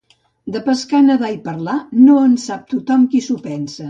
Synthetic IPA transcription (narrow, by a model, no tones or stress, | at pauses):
d̪əpəskanəðaipəɾlanoənsap̚t̪ut̪ɔmkisupɛnsə